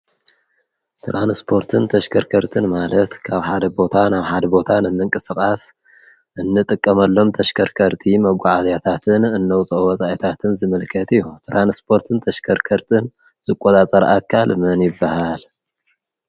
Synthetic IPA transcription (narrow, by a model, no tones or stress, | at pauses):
t̪ʰɾanspʰo̞ɾt̪ʰɨnt̪ʰɐʃkʰɐɾkʰɐɾt̪ʰɨnmalɐt̪kʰaβħad̪ɐbo̞t̪ʰanaβħad̪ɐbo̞t̪ʰanɨmːɨŋkʼɨsɨkʼas | ʔɨnːɨt̪ʼɨkʼːɐmɐlːo̞mt̪ʰɐʃkʰɐɾkʰɐɾt̪ʼʰimɐɡʷaʕazat̪ʰat̪ʰɨnɨnːɐwt͡sʼɐʔwɐsʼaʔit̪ʰat̪ʰɨnzɨmɨlkʰɐt̪ɨjːut̪ɾanspʰo̞ɾt̪ʰɨnt̪ʰɐʃkʰɐɾkʰɐɾt̪ʰʼɨn | z̥ɨkʼːotʼat͡sʼɐɾʔakʰalmɐnjɪbːahal